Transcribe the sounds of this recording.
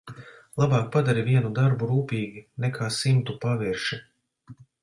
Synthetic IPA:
lˠabaːk̚pad̪aɾivʲiɛnud̪aɾbuɾuːpiːɡʲinɛkʰaːsimt̪upaviɾʃi

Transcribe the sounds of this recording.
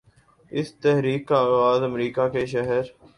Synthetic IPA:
ɪst̪ɛɦɾiːkaːɣaːzəmɾiːkaːkeːʃ̬əɦəɾ

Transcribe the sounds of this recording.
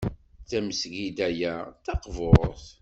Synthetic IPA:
θæməsʝid̪æjæθɑqvoɾˤθ

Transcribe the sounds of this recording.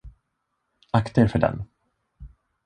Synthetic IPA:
akt̪əɾfœɖɛ̰n

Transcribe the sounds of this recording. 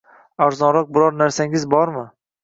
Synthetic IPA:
aɾzɒnɾɒq̚bɪɾɒɾnaɾsaŋɡʲɪzbɒɾmɪ

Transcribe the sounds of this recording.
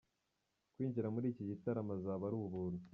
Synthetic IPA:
kwiːɲɟiɾamuɾiːciɟitaɾamazaβaɾuːβuβuɾu

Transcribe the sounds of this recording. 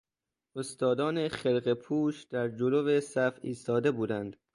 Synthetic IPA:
ʔost̪ɒːd̪ɒːneχelɢepʰuːʃd̪̥æɾd͡ʒolovesæfḭːst̪ɒːd̪e̞buːd̪ænd̪̥

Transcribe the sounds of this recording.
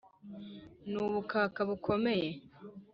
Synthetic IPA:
nuːβukaːkaβukʰo̞me̞je̞

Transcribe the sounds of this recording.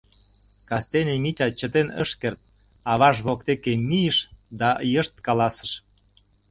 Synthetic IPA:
kɑst̪enemit̪ʲɑt͡ɕət̪enə̰ʃkert̪̚ | ɑβɑʃβok̚t̪ekemijəʃd̪ɑjəʃt̪̚kɑlɑsə̥̆ʃ

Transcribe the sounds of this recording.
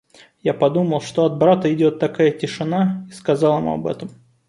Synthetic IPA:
japɐd̪uməlˠʂt̪o̞ɐd̪̚bɾat̪əɪdʲo̞t̪ːɐkajətʲɪʂɨnaiskɐzɑlˠɨ̰mɐ̰bɛ̰t̪əm

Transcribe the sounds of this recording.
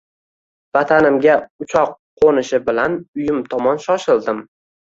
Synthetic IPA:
vat̪ʰanɪmɡʲaʊt͡ʃʰɒqʰː | onɪʃɪbɪlanʊjʊmt̪ʰɒmɒnʃɒʃɪlˠd̪ɪm

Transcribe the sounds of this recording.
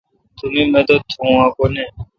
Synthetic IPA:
t̪ʊmiːmẽːt̪oːt̪ʰõãːkone

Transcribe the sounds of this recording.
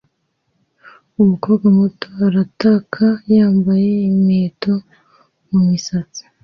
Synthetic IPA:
uβuko̞ːbɡamutoaɾatakʰajaːmbaje̞imeːto̞ | mumisat͡si̥

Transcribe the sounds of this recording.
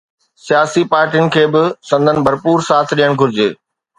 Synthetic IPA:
sijaːsipaːɾʈijʊnɪ̆kʰeːbɪsɐ̃nd̪ʱənɪ̆bʱɐɾpuːɾsaːt̪ʰɗijəɽ̃ɡʱʊɾɪd͡ʑeː

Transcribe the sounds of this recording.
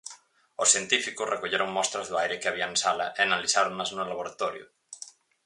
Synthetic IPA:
ʊsθjent̪ifikʊsrekoʎeɾoŋmɔst̪ɾɐzðoajɾɪkɪaβiɐẽnsalɐ̰ʔeanalisaɾoŋnaznolaβoɾat̪ɔɾjʊ̰

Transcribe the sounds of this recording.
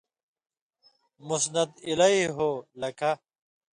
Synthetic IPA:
musnɐd̪ilɐiɦoːlɐkʰa

